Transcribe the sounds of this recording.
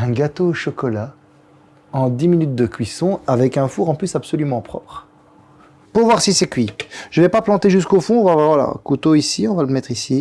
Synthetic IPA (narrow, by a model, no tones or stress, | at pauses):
ɛ̃ɡat̪ooʃɔkɔla | ɑ̃d̪iminyt̪̚d̪əkʲɥisɔ̃avɛkɛ̃fuʁɑ̃plysapsɔlymɑ̃pχɔ̰pχ | puʁvwaʁsisɛkɥiʒ̥əvɛpaplɑ̃t̪eʒys̬kofɔ̃vavavala̰kut̪oisiɔ̃valəmɛt̪χisi